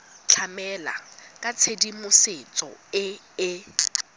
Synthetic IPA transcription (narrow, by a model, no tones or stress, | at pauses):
t͡ɬʰamɛla̰kʼat͡sʰedimʊset͡sʼɔ̰ɪ | ɪ